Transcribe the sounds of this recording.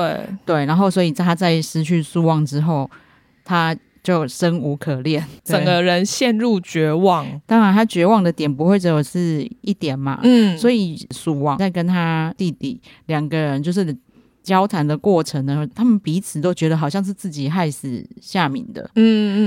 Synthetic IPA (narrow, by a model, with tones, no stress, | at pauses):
twe˥˩ɪt̪we˥˩ɪna˧˥nɦo˥˩ʊswɔ˧˥i˨˩t̪ʰa˥t͡sa˥˩ɪʂɻ̩˥˧t͡ɕʰy˥˧su˥˧wɑ˥˩ŋʈ͡ʂɻ̩˥xo˥˩ʊ | t̪ʰa˥ | t͡ɕjo˥˩ʊʂə˥nu˧˥kʰɤ˨˩ljɛ˥˨nʈ͡ʂə˨˩ŋɡə˦ɻə˧˦nɕjɛ˥˧nɻu˥˨t͡ɕɥɛ˧˥wɑ˥˨ŋt̪ɑ˥ŋɻa˧˦nt̪ʰa˥t͡ɕɥɛ˧˥wɑ˥˩ŋd̪ə˨t̪jɛ˨˩npu˧˥xwe˥˧ɪʈ͡ʂo˥˩ʂɻ̩˥˧i˥˩t̪jɛ˨˩nma̰˦˥˩swɔ˧˥i˨˩su˨˩wɑ˥˩ŋt͡sa˥˩ɪkə˦nt̪ʰa˥t̪i˥˨˧t̪ḭ˨˩ | ljɑ˨˩ŋɡə˦ɻə˧˦nt͡ɕjo˥˧ʊʂ̬ɻ̩˥˩ | t͡ɕjɑ˥ʊt̪ʰa˧˥nd̪ə˨kwɔ˥˩ʈ͡ʂʰə˧˥ŋd̪ə˧˦t̪ʰa˥mə˨npi˧˥t͡sʰɹ̩˨˩t̪o˥ʊt͡ɕɥɛ˧˥d̪ə˧xɑ˨˩ʊɕjɑ˥˧ŋʂ̬̩˥˧t͡sɹ̩˥˩t͡ɕi˨˩xa˥˧˩ɪsɹ̩˨˩ɕja˥˨mḭ˨˩ŋd̪ə̰˩˥˩